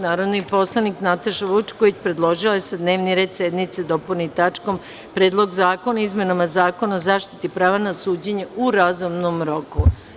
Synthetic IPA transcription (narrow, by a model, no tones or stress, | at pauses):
naːɾod̪nipo̞slˠaniknat̪aʃaʋut͡ʃkoʋit͡ɕpɾed̪lˠo̞ʒilaesad̪neːʋniɾe̞ːd̪sed̪mit̪sed̪opulnit̪at͡ʃkom | pɾeːd̪lˠo̞ɡzaːko̞naizmenamazaːko̞naozaːʃt̪i̥t̪ipɾaːʋanasuːd͡ʑeɲeuɾazumnomɾo̞ku